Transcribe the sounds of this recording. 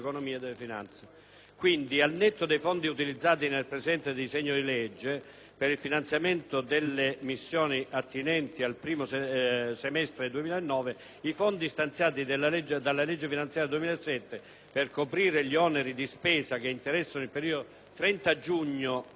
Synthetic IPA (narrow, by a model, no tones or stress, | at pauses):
konomiːad̪elːefina̰nt̪se | kwind̪ialnɛt̪ːod̪ejfond̪iut̪ilid̪zːaːt̪̬inelpɾezɛnt̪ed̪esɛɲːod̪ilɛd͡ʒːe | peɾilfinant̪sjament̪od̪elːemisːjɔːniʔat̪ːinɛnt̪ialpɾiːmossemɛst̪ɾed̪uemiːlaenːɔːve | ifond̪ist̪ant̪sjaːt̪id̪elːalɛd͡ʒːed̪alːalɛd͡ʒːefinant̪sjaɾjad̪uemiːlaesːɛt̪ːe | perkopɾiːɾeʎiɔneɾid̪ispɛːsak̟eint̪eɾɛsːanoilpeɾiːod̪o | t̪ɾɛnt̪ad͡ʒuɲːo